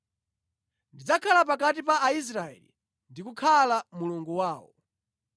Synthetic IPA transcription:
ndid͡zakʰalap̬akat̬ipaːis̬ɾaɛ̰lḭ | ndikukʰalamuluŋɡuwaːwɔ̰

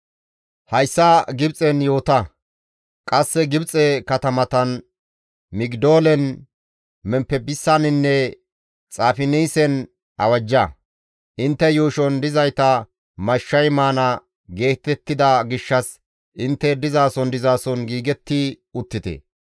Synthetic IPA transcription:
hɐjsːɐɡɪbt͡sʼɛnjo̞ːt̪ɐ | kʼɐsːɛɡɪbt͡sʼɛkɐt̪ɐmɐt̪ɐn | mɪɡd̪o̞ːlɛn | mɛmpːɛbɪsːɐnɪnːɛ | t͡sʼaːfɪniːsɛn | ʔɐ̰wɐd͡ʒːɐ | ʔɪnt̪ːɛjuːʃɔnd̪ɪzɐjt̪ɐ | mɐʃːɐjmaːnɐ | ɡe̞ːt̪ːɛt̪ːɪd̪ɐɡɪʃːɐs | ʔɪnt̪ːɛd̪ɪzaːsɔnd̪ɪzaːsɔnɡiːɡɛt̪ːi | ʊt̪ːɪt̪ɛ̰

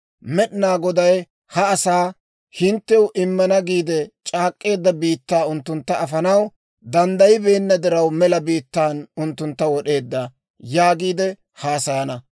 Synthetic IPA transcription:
mɛɗɪnaːɡɔd̪ɐj | hɐːsaː | hɪnt̪ːɛʊʔɪmːɐnɐɡiːd̪ɛt͡ʃʼaːkʼːe̞ːd̪ːɐbiːt̪ːaːʊnt̪ːʊnt̪ːɐʔɐfɐnɐw | d̪ɐnd̪ɐjɪbe̞ːnːɐd̪ɪɾɐwmɛlɐbiːt̪ːaːnʊnt̪ːʊnt̪ːɐwɔɗe̞ːd̪ːɐ | jaːɡiːd̪ɛ | hɐːsɐjɐnɐ

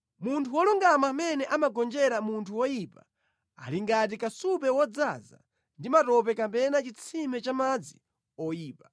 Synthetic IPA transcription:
muntʰuwɔluŋɡamaːmɛnɛʔamaɡɔnd͡ʒɛɾamuntʰuwɔjipa | a̰liŋɡat̬ikasupɛwɔd͡zaza̰ | ndimatɔp̬ɛkapɛnat͡ʃit͡sʰimɛt͡ʃamad͡zi | ɔjiːpa

